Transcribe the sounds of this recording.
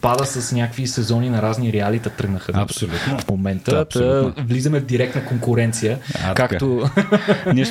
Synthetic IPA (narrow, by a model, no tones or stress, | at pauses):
pad̪əsɐsnʲakvisɛzɔninɐɾazniɾɛalit̪ɐt̪ɾəɡnəxəɐ̰solʲut̪nofmomɛnt̪əəd̪əvlizɐmɛvd̪iɾɛk̚t̪nɐkoŋkʊɾɛnt̪sijə̰kak̪o | nɛʃ